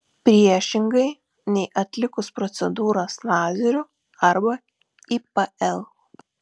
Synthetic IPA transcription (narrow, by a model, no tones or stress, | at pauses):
pʲɾʲiɛʃʲɪŋɡɐɪ | nʲɛɪʔɐt̪ʲlʲɪkʊspɾɔt̪sʲɛd̪uːɾoslɑːzʲɛɾʲʊ | ɐɾbɐ | ipɐɛlˠ